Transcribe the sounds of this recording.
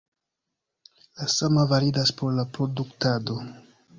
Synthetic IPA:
lasamavaɾidaspo̞ɾlapɾo̞duktado̞

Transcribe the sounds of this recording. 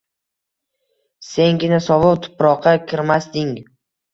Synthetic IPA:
se̞ŋɡʲɪnasɒvʊqt̪ʰʊ̥pɾɒqʰːɑkʲʰɪɾmasd̪ɪŋ

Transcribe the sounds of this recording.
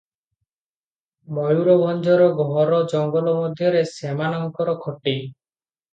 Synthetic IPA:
bɔjuɾɔbʱɔnd͡ʒʱɔɾɔɡɔɦɔɾɔd͡ʒɔŋɡɔlɔmɔd̪ʱjɔɾesemanɔŋkɔɾɔkʰɔʈi

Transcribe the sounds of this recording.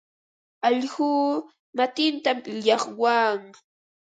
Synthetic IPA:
ɑʎhuː | mat̪ɪnt̪amɪʎɑχwaŋ

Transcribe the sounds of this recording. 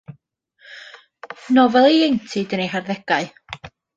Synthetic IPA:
nɔvɛlˠejejntʰɪdənejɦarðɛɡ̥aɨ

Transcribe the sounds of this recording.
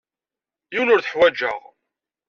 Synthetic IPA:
jiwnʊɾθəħwæd͡ʒə̰ʁ

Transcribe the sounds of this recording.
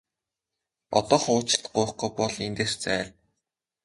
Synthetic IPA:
ɔ̰t̪ɔːχʊːt͡ɕɪ̥̆t̪ɢʊːχɡʊjpɔɮent̪eːr̥t͡sæːɮ

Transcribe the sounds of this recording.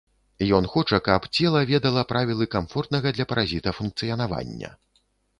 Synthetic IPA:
jɔnxɔt͡ʂɐkapt͡sʲɛlˠɐvʲɛd̪ɐlˠɐpɾʔavʲilˠɨkamfɔrt̪nɐɣɐd̪lʲɐpɐɾazʲit̪ɐfunk̚t̪sɨjɐnava̰nʲːɐ̰

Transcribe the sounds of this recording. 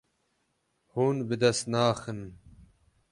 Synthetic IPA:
huːnbɨd̪ɐst̪naːxɨn

